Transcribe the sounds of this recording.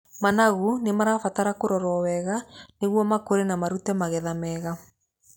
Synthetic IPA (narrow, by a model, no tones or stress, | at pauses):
manaɣunemaɾafataɾakoɾɔɾɔwɛɣaneɣwɔmakoɾenamaɾutɛmaɣɛðamɛɣa